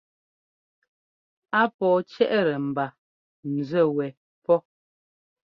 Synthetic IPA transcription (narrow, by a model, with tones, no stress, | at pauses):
a˦pɔː˨t͡ʃɛ˦ʔɾɛ˨m̩˨ba˨ | n̩˨zə˦˨wɛ˨ | pɔ˦